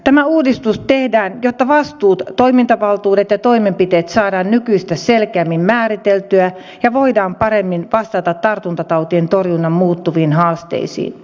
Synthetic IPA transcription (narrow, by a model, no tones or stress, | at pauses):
t̪æmæuːdist̪ust̪ehdæːnjot̪ːɑʋɑst̪uːt̪to̞imint̪ɑʋɑlt̪uːdet̪jɑt̪oimempit̪eːt̪sɑːdɑːnnykyist̪æselkeæːmːimmæːɾit̪elt̪yæ | jɑʋoidɑːmpɑɾemːinʋɑst̪ɑt̪ɑt̪t̪ɑrt̪unt̪ɑt̪ɑwt̪ient̪orjunːɑmmuːt̪ːuʋiːnhɑːst̪ḛisḭːn